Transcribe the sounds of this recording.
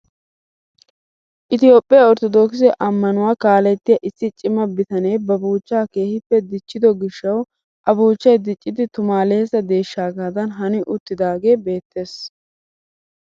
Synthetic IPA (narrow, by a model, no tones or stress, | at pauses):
ʔɪt̪ɪjo̞ːpʼːɪjaɔɾt̪ɔd̪oːks̬ɛʔɐmːɐnʊwaːkaːlɛt̪ːɪjɐʔɪsːɪt͡ʃʼɪmɐbɪt̪ɐnejbɐbuːt͡ʃːaːke̞ːhɪpːɛd̪ɪt͡ʃːɪd̪ɔɡɪʃːɐw | ʔɐbuːt͡ʃːɐjd̪ɪt͡ʃʼːɪd̪ɪt̪ʊmaːleɛsɐd̪e̞ːʃːaːɡaːd̪ɐnɦɐnɪʔʊt̪ːɪd̪aːɡe̞ːbe̞ːt̪ʰːe̞ːs